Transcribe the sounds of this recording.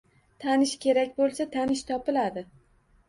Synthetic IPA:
t̪ʰanɪʃkʲe̞ɾakʲbolˠsat̪ʰanɪʃt̪ʰɒpɪlad̪ɪ

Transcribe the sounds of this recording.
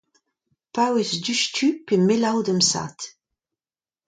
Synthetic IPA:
pawesdyʃtʰypemelawd̪əmsa̰t̪

